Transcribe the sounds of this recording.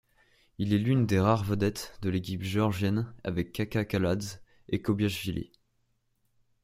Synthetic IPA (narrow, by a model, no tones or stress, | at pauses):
ilɛlynd̪eʁaʁvəd̪ɛt̪d̪əlekʲipʒɔʁʒjɛna̰vɛkːakakalad̪z | ekɔbjaʃvilḛ